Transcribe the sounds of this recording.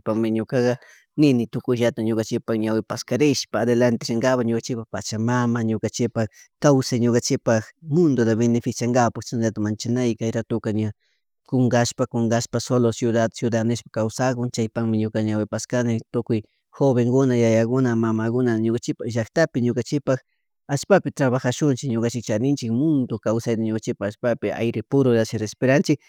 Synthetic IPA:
apaŋmɪɲokaɡa | nɪnɪt̪ʊkʊjʒat̪aɲokant͡ʃɪpakɲawɪpaskaɾɪʃpaːd̪elant̪ɪʃɪŋɡapaɲokant͡ʃɪpapa̰t͡ʃamamaɲokant͡ʃɪpa | kawsajɲokant͡ʃɪpaxmʊnd̪od̪aβenefɪsjaŋɡapakt͡ʃanaʎat̪amant͡ʃanajkajɾat̪ʊkaɲa | kʊŋɡaʃpakoŋɡaʃpasolosjʊd̪at̪sjʊd̪anɪʃpḁkawsakʊnt͡ʃajpaŋmɪɲʊkaɲawɪpaskanɪt̪ʊkʊj | xoβeŋɡʊnajajakʊnamamakʊnaɲokant͡ʃɪpaʒakt̪apɪɲokant͡ʃɪk̚pax | aʃpapɪt̪ɾaβaxaʃʊnt͡ʃɪkɲokant͡ʃɪkt͡ʃanɪnt͡ʃɪkmʊnd̪okawsajd̪aɲokant͡ʃɪpaxaʃpapɪa̰jɾɪpʊɾʊd̪aʃɪɾespeɾant͡ʃɪk̚

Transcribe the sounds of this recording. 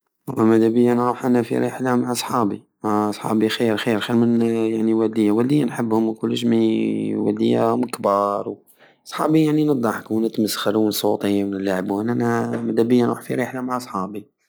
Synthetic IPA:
lːɑmæd̪æbəjːanɾuħʔænæfḭɾeħlamaʕɑsˤħɑbi | maʕɑsˤħɑ̰bixiɾxiɾxəmənjaʕniwæld̪əjːawæld̪əjːanħəbːhʊmwkʊlːəʃmiwæ̰ld̪əjːa̰məkbɑɾˤw | sˤħɑ̰bijaʕninəd̪ˤːɑħknət̪məsxəɾunsˤot̪ˤəjmənəlːaʕbænʔænæmæd̪æbəjːanɾuːħfiɾeħlamaʕʔsˤħɑbi

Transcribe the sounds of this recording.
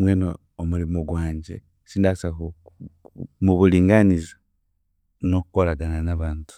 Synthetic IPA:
mweːnoː | muɾimoɡwaːɲɟe | siːndasako | muβuliːŋɡaniza | nokukoɾaɡananaβaːntu̥

